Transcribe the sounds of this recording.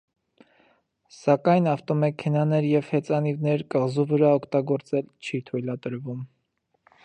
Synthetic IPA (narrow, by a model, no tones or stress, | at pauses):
sɑkɑjnɑft̪ɔmɛkʰɛnɑnɛɾjɛvhɛt͡sɑnivnɛɾkəʁzuvəɾɑɔkʰt̪ɑɡɔɾt͡sɛlt͡ʃʰit̪ʰujlɑt̪əɾvum